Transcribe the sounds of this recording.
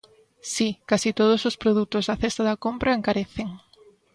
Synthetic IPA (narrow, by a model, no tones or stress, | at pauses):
sikasit̪oð̞ʊsospɾoðut̪ʊzðɐθest̪ɐðɐkompɾɐeŋkaɾeθeŋ